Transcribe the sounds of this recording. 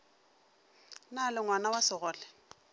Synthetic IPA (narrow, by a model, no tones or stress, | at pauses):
nalɪŋwanawasɪɣɔːlɛ